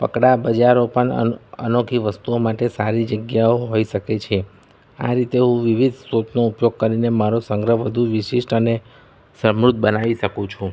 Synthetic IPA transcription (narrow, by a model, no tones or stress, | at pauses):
pə̰kɽabəd͡ʒaɾopəɳəə̰nokʰiʋəst̪uomaʈesaɾid͡ʒəɡjaoɦoiʃəket͡ʃʰe | a̰ɾit̪eɦũʋiʋid̪ʱsot͡ʃ̪noupjoɡ̚kəɾinemaɾosəŋɡɾəɦʋəd̪ʱuʋiʃiʃʈəne | səmɾud̪̚bənaʋiʃəkũt͡ʃʰũ